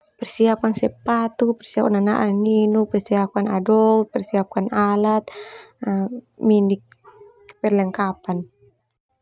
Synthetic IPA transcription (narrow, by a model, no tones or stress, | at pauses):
pɛrsiapansɛpat̪upɛrsiap̚kanana̰ʔanninupɛrsiapanadɔlt̪̚pɛrsiap̚kanalat̪̚ | minik̚ː | ɛ̥pɛrlɛŋkapan